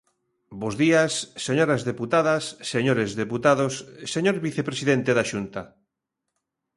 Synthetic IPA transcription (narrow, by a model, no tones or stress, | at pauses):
bozðiɐsːeɲoɾazðeput̪aðɐsːeɲoɾezðeput̪aðosːeɲoɾβiθepɾesiðent̪eðaʃunt̪ɐ